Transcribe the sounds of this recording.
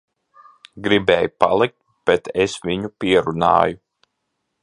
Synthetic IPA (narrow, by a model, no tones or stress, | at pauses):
ɡɾibɛːjupa̰lˠik̚t̪̚ | b̥ɛt̪ʰesʋiɲupʲiɛɾunɑ̰ːju